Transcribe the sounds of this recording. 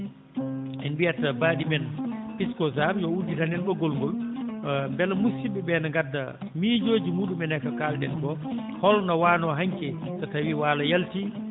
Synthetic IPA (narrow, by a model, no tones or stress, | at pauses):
ɛnbijatːabaːɗimɛnpiskɔzaɾjɔudːitanɛnɓɔɡɔlŋɡɔl | mbɛlmusiɓɛbɛnaŋɡadːa̰ | miːd͡ʒoːd͡ʒimuːɗumɛnɛkakaldɛ̰nkɔ | hɔlnawanɔɦaɲkɛtatawiwaːlajalti